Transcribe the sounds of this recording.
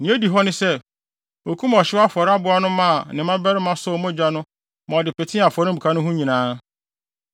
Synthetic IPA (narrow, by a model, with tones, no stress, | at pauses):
nĩ˨˦e˦di˨ɦɔ˦nɪ̃˦sɛ˦ | o˨kʰu˦m˨ɔ˨ɕɪ˦a˦fɔ˨ɾa˦bʊ˨˦a˦nʊ̃˦mã˦˨nɪ̃˨mã˦bɛ˦ɾɪ˦mã˦sʊː˦mɔ̃˦d͡ʑᶣa˦nʊ̃˦ | mã˨ɔ˨dɪ˨pɛ˨tʰɪ̃˦a˨fɔ˨ɾɪ̃˦bu˨kʰa˦nʊ̃˦ɦũ˦ɲĩ˨nãː˦